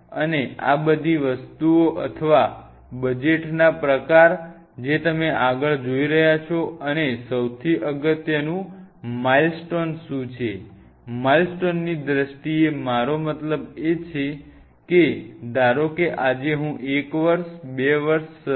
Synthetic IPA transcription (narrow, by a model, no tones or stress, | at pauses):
ənea̰bəd̪ʱiʋəst̪uoʔət̪ʰəʋa | bəd͡ʒeʈnapɾəkaɾ | d͡ʒet̪əmeʔaɡəɭd͡ʒoiɾəɦjat͡ʃʰoənesəwt̪ʰiʔəɡət̪jənũmailsʈonʃũt͡ʃʰe | mailsʈonːid̪ɾəʃʈiemaɾomət̪ləbet͡ʃʰe | ked̪aɾokeʔad͡ʒeɦũʔekʋəɾʃbeʋəɾʃ